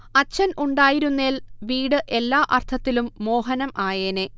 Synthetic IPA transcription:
ɐt͡ɕːɐnʔuɳɖaːjiɾunːeːlʋiːɽɨʔe̞lːaːʔɐrt̪ʰɐt̪ːilumːo̞ːɦɐnɐmʔaːjeːne

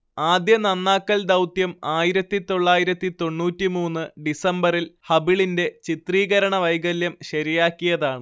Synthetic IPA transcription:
aːd̪jɐnɐnːaːkːɐld̪ɐwt̪jɐmaːjiɾɐt̪ːit̪o̞ɭːaːjiɾɐt̪ːit̪o̞ɳːuːtːimuːnːɨɖisɐmbɐrilhɐbiɭinde̞t͡ɕit̪riːɣɐɾɐɳɐʋɐjɡɐljɐmɕɐɾijaːkːijɐðaːɳɨ

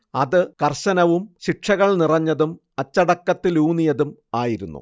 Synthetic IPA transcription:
ɐðɨkɐrɕɐnɐʋumɕiʈʂɐɣɐɭnirɐɲːɐðum | ɐt͡ɕːɐɽɐkːɐt̪ːiluːnijɐðumaːjiɾunːṵ

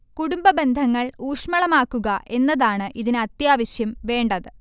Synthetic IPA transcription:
kuɽumbɐbe̞nd̪ʱɐŋːɐɭuːʂmɐɭɐmaːkːuɣɐʔʔe̞nːɐðaːɳɨʔiðinɨɐt̪jaːʋɐɕjɐmʋe̞ːɳɖɐðɨ

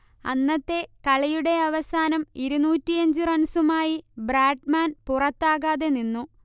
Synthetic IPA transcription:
ɐ̰nːɐt̪ːe̞kɐɭɐjuɽe̞ɐʋɐsaːnɐmiɾunuːtːiɐɲd͡ʑɨrɐnsumaːjibraːɖmaːnpurɐt̪ːaːɣaːðe̞ninːu

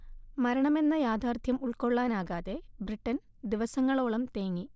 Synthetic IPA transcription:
mɐɾɐɳɐme̞nːɐjaːd̪ʱaːrt̪jɐmuɭko̞ɭːaːnaːɣaːðe̞briʈːɐn | d̪iʋɐsɐŋːɐɭoːɭɐmt̪eːŋːi

